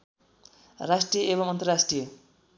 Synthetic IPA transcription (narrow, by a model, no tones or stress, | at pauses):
rasʈrijʌʔebʌmʌnt̪ʌrasʈrijʌ